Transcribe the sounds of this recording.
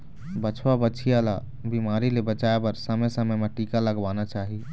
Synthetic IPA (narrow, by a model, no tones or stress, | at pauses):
bət͡ʃʰwabət͡ʃʰiala | bimaɾilebət͡ʃaebəɾsəməjsəməjmeʈikaləɡʋanat͡ʃaɦi